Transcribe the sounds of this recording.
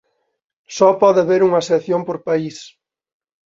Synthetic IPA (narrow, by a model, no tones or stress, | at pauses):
sɔpɔðɪaβeɾuŋɐseθjompoɾpais